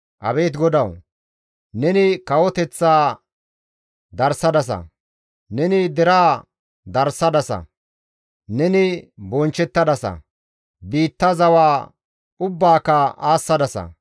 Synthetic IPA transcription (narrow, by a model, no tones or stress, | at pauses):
ʔɐbe̞ːt̪ɡɔd̪ɐw | nɛnɪkɐwɔt̪ɛt͡sːaː | d̪ɐɾsːɐd̪ɐs̬ɐ̰ | nɛnɪd̪ɛɾaː | d̪ɐɾsːɐd̪ɐsɐ̰ | nɛnɪbɔnt͡ʃːɛt̪ːɐd̪ɐsɐ̰ | biːt̪ːɐzɐwaː | ʊbːaːkːɐaːsːɐd̪ɐsɐ̰